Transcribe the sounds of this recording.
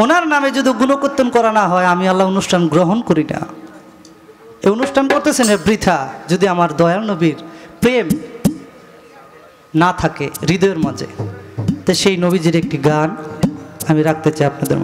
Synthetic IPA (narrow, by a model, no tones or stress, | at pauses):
onaɾnamed͡ʑod̪ʱiuɡunokot̪ːonkɔɾanaɦɔeamialːaonuʃʈʰanɡɾoɦonkoɾina̰ | ejonuʃʈʰankoɾt̪et͡ɕʰenebɾid̪ʱʰad͡ʑod̪iamaɾd̪ɔeaɾnobiɾpɾem | nat̪ʰakeɾid̪oeɾmad͡ʑʱḛt̪ajʃejnobid͡ʑiɾek̚ʈiɡan | amiɾak̚ʰt̪et͡ɕajapnad̪ḛɾm